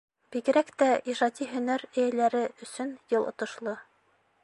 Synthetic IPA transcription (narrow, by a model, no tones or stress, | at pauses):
b̥iɡɘ̆ɾækt̪æiʃɑt̪ʲiɦɵ̆næɾɘ̆jælæɾɘʔɵ̆sɵnjɤlˠŏ̰t̪ŏʃlˠɤ